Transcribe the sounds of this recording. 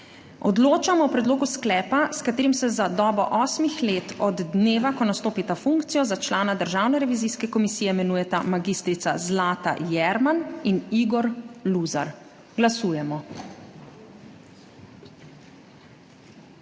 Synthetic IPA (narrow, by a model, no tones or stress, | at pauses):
ɔd̪loːt͡ʃamɔwpɾɛd̪loːɡusklɛːpaskat̪eːɾimsɛzad̪ɔːbɔ̰ʔɔːsmixleːt̪ɔd̪ːneːʋakɔnast̪oːpit̪afuŋkt̪sijɔzat͡ʃlaːnad̪əɾʒaːwnɛɾɛʋiziskɛkɔmisiːjɛmɛnuːjɛt̪amaɡist̪ɾit̪sazlaːt̪a̰jɛɾmaniniɡɔɾluːza̰ɾ | ɡlasuːjɛmɔ